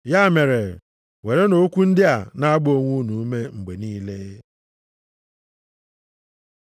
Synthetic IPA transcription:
ja˦˨me˨ɾe˨ | we˨ɾe˦no˦kʷu˦n̩˦dɪ˦a˨na˦a˦ɡ͡bo˨ŋʷu˦nu˨˦me˦ŋ͡m̩˨ɡ͡be˨niː˦le˦

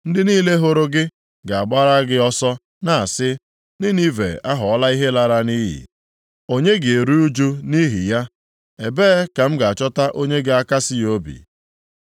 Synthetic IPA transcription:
n̩˦dɪ˦niː˦le˦ɦʊ˦ɾʊ˦ɡɪ˦ | ɡa˨a˨ɡ͡ba˦ɾa˦ɡɪ˦ɔ˦sɔ˦ | na˨a˨sɪ˦ | nɪ˦ni˦vḛ˨a˦ɦɔ˨ɔ˦la˦i˦ɦe˦la˨ɾa˦ni˦ɦḭ˨ | o˦ɲe˦ɡɪ˨e˨ɾu˦u˦d͡ʒu˦ni˦ɦḭ˨ja˦ | e˨beː˦ka˨m̩˦ɡa˨a˨t͡ʃɔ˦ta˦ʔo˦ɲe˦ɡa˨a˦ka˦sɪ˦o˦bḭ˨

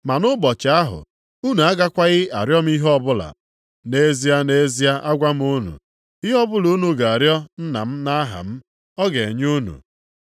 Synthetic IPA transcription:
ma˨nʊ˦bɔ˨t͡ʃa˨a˦ɦʊ̰˨ | u˦nu˨a˦ɡa˦kʷa˦ɣɪ˦a̰˨ɾjɔ˦m̩˦i˦ɦɔ˦bʊ˦la̰˨ | ne˦zi˦a˦ne˦zi˦a˦ʔa˦ɡʷa˦m̩˦u˦nṵ˨ | i˦ɦɔ˦bʊ˦lu˦nu˨ɡa˨a˨ɾjɔ˦n̩˦na̰˨m̩˦na˦ɦa̰˨m̩˦ | ɔ˦ɡe˨ɲu˦nṵ˨

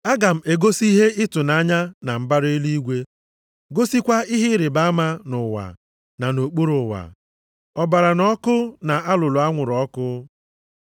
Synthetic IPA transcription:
a˦ɡa˨m̩˨e˨ɡo˦si˦ɦe˦ɪ˦tʊ˨na˨˦ɲa˦na˨m̩˦ba˦ɾe˦li˦i˦ɡʷe˦ | ɡo˦si˦kʷa˦ɪ˦ɦɪ˦ɾɪ˨ba˦a˦ma˦nʊ˨wa̰˨ | na˨no˨k͡pu˦ɾʊ˨wa̰˨ | ɔ˨ba˨ɾa˨nɔ˦kʊ˦na˨a˦lʊ˨lʊ˨a˦ŋʷʊ˨ɾɔ˦kʊ˦

